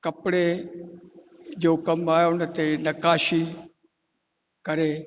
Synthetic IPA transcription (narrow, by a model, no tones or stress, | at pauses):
kəpɽe | d͡ʒoːkəmaːjoːnət̪eːnəkaːʃiː | kəɾeː